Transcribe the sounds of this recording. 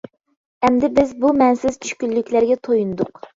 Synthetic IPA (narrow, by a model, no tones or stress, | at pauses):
ɛmd̪ɪbɪzbumɛnsɪz̥t͡ʃʰy̥ʃkʲylːykʲlæɾɡʲɛt̪ʰojunɨd̪ʊq